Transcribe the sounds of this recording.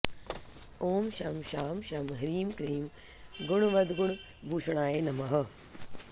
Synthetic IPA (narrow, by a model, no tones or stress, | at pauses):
oːmʃɐmʃaːmʃɐmɦɐɾiːmkɐɾiːm | ɡʊɳ̃ʋɐd̪ɡuɳ̃ | bʱuːʃɽ̃aːjeːnɐmɐɦɐ̆